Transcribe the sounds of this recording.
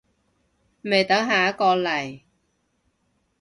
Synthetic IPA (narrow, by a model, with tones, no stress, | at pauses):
me˨jt̪ɐ˨˥ŋɦaː˨˩ɐ˦˥kɔː˧lɐ˨˩j